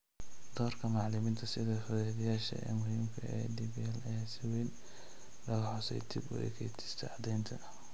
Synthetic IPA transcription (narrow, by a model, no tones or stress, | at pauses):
d̪̥ɔːrkʰɐmɑʕlɪmiːnt̪ʰɐsɪðɐfʊðɛːðɪjaːʃɐ̰ɛ̰ːmʊɦiːmkʰɐɛ̰ːd̪ibjaːlɛːsɪwɛn | lɐɣɐħɔsɛ̰jd̪ḭbɔ̰ɛ̰kʰɛt̪ʰɪ̥st̪ʰɛ̰ʕɑd̪ɛjnt̪ʰɐ̰